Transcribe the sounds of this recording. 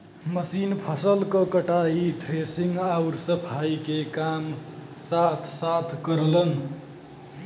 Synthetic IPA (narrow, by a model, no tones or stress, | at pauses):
məsinpʰəsəlkʌkəʈait̪ʰɾesiŋɡawɾsəpʰaikekam | sat̪ʰsat̪ʰkəɾlən